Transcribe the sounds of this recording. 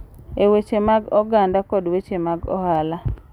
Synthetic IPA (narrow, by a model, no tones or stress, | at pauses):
ewet͡ʃemaɡɔɡandakɔdwet͡ʃemaɡɔ̰hala